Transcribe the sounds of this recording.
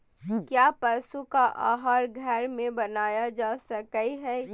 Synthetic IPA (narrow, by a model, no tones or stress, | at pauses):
kjaːpɐsukaʔaːɦaːɾɡʱɛɾmẽbɐnaːjad͡ʒaːsɐkəiɦɛː